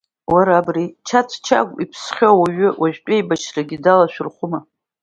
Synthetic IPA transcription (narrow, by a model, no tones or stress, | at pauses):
waɾaːbrit͡ʃʰat͡sʷʰt͡ʃʰa̰kʷʼipʰsχʲowaɥʏwaʒᶣtʷʼejbaʃraɡʲidalaʃᶣʊrχʷʊma